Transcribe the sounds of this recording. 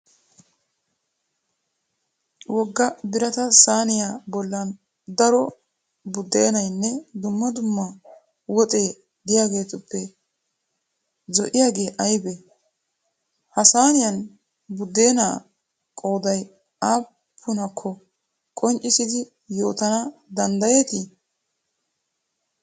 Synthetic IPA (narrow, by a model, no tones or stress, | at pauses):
wɔɡːɐbɪɾɐt̪ɐsaːnɪjaːbɔlːɐn | d̪ɐɾɔ | bʊd̪ːe̞ːnɐjnːɛd̪ʊmːɐd̪ʊmːɐ | wɔt̪ʼe̞ː | d̪ɪjaːɡe̞ːt̪ʊpːɛ | zɔʔɪjaːɡe̞ːʔɐjbe | hɐsaːnɪjɐn | bʊd̪ːe̞ːna̰ː | kʼo̞ːd̪ɐj | aː | pʰːʊnɐkʰːɔ | kʼɔnt͡ʃʼːɪsɪd̪ɪ | jo̞ːt̪ɐnɐd̪ɐnd̪ɐje̞ːt̪ɪ